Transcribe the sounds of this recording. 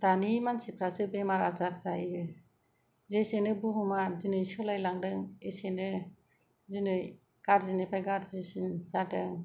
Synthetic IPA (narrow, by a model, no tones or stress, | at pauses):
d̥animansipʰɾasɯbemaɾazaɾzaj | zesenɯbuɦumazinɯjsɔlajlaŋdɯŋesenɯ | zinɯj | ɡ̥aɾzinɯpʰajɡaɾzesinzadɯŋ